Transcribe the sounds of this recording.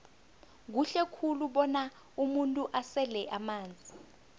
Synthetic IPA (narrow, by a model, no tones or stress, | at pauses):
k̬uɬɛkʰuluɓɔna | umuntʼuʔasɛlɛʔamaːnd͡zʱi